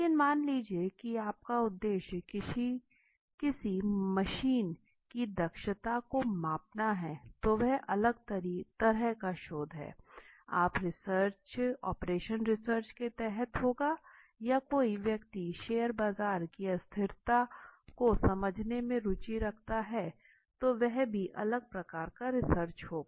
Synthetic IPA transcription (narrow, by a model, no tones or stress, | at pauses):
lekɪnmaːnliːd͡ʒiekiaːp̚kaʊd̪ːeːʃ | kɪsimɐʃiːn | kid̪ɐkʃət̪akomaːpnaɦɛːt̪oʋɛɦʔɐləɡt̪ɾit̪ɐɾɛɦkaʃoːd̪ʱɦɛ̰ːa̰ːpɾɪsəɾt͡ʃɔ̰ːpɾeːʃənɾɪsəɾt͡ʃket̪ɛɦɛt̪ɦoːɡa | jakoːiʋjɐk̚t̪iʃeːəɾbaːzaːɾkiɐst̪ʰɪɾt̪akosɐməd͡ʒʱnemẽɾʊt͡ʃiɾɐkʰt̪aɦɛ | t̪oʋɛɦbʱiʔɐ̰ləɡ̚pɾɐkaːɾkaɾɪsəɾt͡ʃhoːɡ